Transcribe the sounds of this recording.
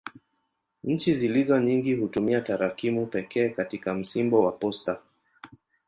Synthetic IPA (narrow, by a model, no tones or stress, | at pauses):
ɲ̩t͡ʃizilizɔɲiŋɡihutumiataɾakimupɛkʰɛːkatikam̩simbɔwapɔsta